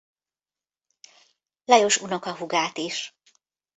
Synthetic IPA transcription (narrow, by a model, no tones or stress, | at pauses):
lɒjo̞ʃunokɒɦuɡaːt̪iʃ